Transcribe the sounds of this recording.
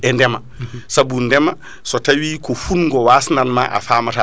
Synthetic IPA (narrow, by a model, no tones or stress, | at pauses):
ɛndɛma | sabundɛma | sɔtawiːkɔfunŋɡɔwasnanma̰ʔa̰faːmata